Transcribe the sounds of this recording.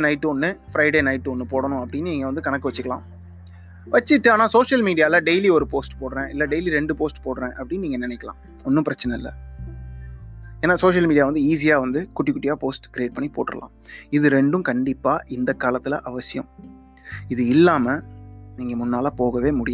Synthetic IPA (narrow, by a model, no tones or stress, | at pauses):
nɐɪʈːɔnːɯfɾɐɪɽeːnɐɪʈːɔnːɯpoːɽɐɳʊ̃ɐpːɐɽɪnːɛŋɡɐʋɐnd̪ɯkɐɳɐkːɯʋɐt͡ʃːɯkːɐɭlã̰ː | ʋɐt͡ʃːɪʈːɯaːnaːsoːʂɐlmiːɽɪjaːlɐɖejliɔɾɯpoːsʈpoːɽɾẽːɪlːɐɖejliɾɛɳɖɯpoːsʈpoːɽɾẽːʔɐpːɐɽɪnːniːŋɡɐnɪnɛɪkːɐlã̰ː | ɔnːɯ̃mpɪɾɐt͡ʃːɐnɐɪlːɐ̰ | eːnːaːsoːʂɐlmiːɽɪjaːʋɐnd̪ɯiːs̬ɪjaːʋɐnd̪ɯkʊʈːɪkːʊʈːɪjaːpoːsʈkɪɾɪeːʈ̚pɐɳːipo̰ːʈːɯɾɐ̰lʔã̰ː | ɪðɯɾɛɳɖɯ̃mkɐɳɖɪpːaːʔɪnd̪ɐkːaːlɐt̪ːɪlɐʔɐʋɐsɪjɐ̰̃m | ɪðɯɪlːaːmɐniːŋɡɐmʊnːaːlapoːɣɐʋeːmʊɽɪjã